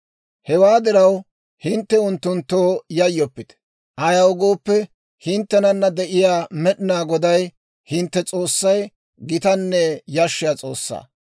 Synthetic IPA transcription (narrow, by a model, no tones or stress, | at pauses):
hɛwaːd̪ɪɾɐw | hɪnt̪ːɛʊnt̪ːʊnt̪ːoːjɐjːɔpːɪt̪ɛ̥ | ʔɐjɐwɡo̞ːpːɛ | hɪnt̪ːɛnɐnːɐd̪ɛʔɪjaːmɛɗɪnaːɡɔd̪ɐj | hɪnt̪ːɛt͡sʼo̞ːsːɐj | ɡɪt̪ɐnːɛjɐʃːɪjaːt͡sʼo̞̰ːsːa̰ː